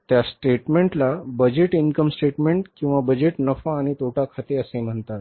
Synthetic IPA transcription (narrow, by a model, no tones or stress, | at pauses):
t̪jasʈeʈmeɳʈlabəd͡ʑeʈinkəmsʈeʈmeɳʈkĩw̃ʋabəd͡ʑeʈnəfaːɽ̃it̪ʰoʈakʰat̪eəsem̤əɳt̪at̪